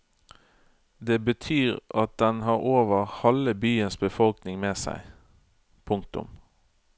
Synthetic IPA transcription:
d̪eːbət̪ʰyːʁʔɑt̪̚d̪ɛnɦɑːɾoːʋəʁhɛləbyːənsbəfɔlknɪŋmeːsæ̰ɪ | pʰʊŋk̚t̪ʊ̰m

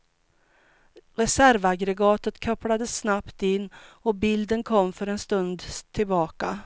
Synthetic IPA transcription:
ɾɛsæɾvaɡɾɛɡɑːt̪ət̪kʰœplad̪əsːnapt̪ɪnːɔbɪld̪ənkʰɔmːfœɾɛnst̪ɵnd̪t̪ʰɪlbɑːka

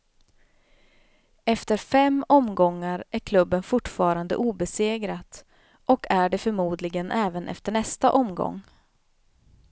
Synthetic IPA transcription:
ɛft̪əɾfɛmɔmɡɔŋːaɾʔæɾkʰlɵbːənfʊʈːfɑːɾand̪ə̰ʔuːbɛseːɡɾat̪ | ʔɔkʰæɖɛfœɾmuːd̪lɪɡənʔɛːvənʔɛ̰ft̪əɳɛst̪aʔɔmɡɔ̰ŋː

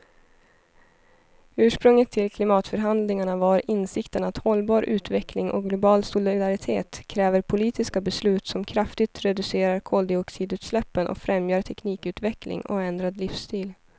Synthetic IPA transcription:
ʉ̟ːʂpɾɵŋːət̪ʰːɪlkʰlɪmɑːt̪fœɾɦand̪lɪŋaɳavaɾɪnsɪkt̪ənat̪hɔlbɑːɾʔʉ̟ːt̪vɛkʰlɪŋʔɔ̰ɡlʊbɑːlsʊlɪɪd̪aɾɪt̪ʰeːt̪kʰɾɛːvəɾpʰʊliːt̪ɪskabɛslʉ̟ːt̪sɔmkʰɾaft̪ɪt̪ɾɛd̪ɵseːɾaɾkʰoːld̪ɪɔksiːd̪ʉːt̪slɛpːənʔɔ̰kfɾɛmjœːɾʈ̪ʰɛkniːkʉ̟ːt̪vɛklɪ̰ŋɔ̰ɛnd̪ɾad̪lɪfst̪iːl

